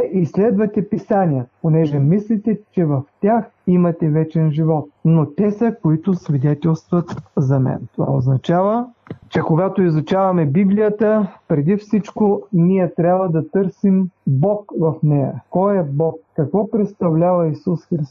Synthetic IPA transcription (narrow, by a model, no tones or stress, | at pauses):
islɛd̪vɐt̪ɛpisanijət̪ponɛʒɛmislʲit̪ɛt͡ʃɛvɐft̪ʲax | imɐt̪ɛvɛt͡ʃɛnʒivɔt̪̚not̪ɛsəkoit̪ʊsvid̪ɛt̪ɛlˠst̪vɐt̪zɐmɛ̰nt̪ova̰oznɐt͡ʃavət͡ʃɛkoɡat̪oizʊt͡ʃavɐmɛbiblijət̪əpɾɛd̪ifsit͡ʃkonijɛt̪ɾʲabəd̪ɐt̪ɤɾsimbɔkvɐfnɛjə̰kɔjɛbɔkːɐkvɔpɾɛt̪st̪ɐvlʲavɐisusxɾi